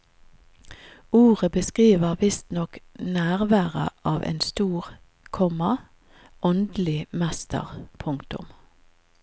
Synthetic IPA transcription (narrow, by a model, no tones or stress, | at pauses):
uːʁəbəskʁiːʋəʁʋɪst̪nɔknæːʁʋæːʁə̰ʔɑːʋʔḛːnst̪uːʁ | kʰɔmɑ | ʔɔnd̪lɪmɛst̪ə̰ʁpʰʊŋkt̪ʊ̰m